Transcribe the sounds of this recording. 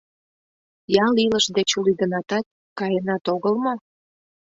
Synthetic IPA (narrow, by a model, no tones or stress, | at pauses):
jɑliləʃd̪et͡ɕulid̪ənɑt̪ɑt̪̚ | kɑjenɑt̪oɣəlmo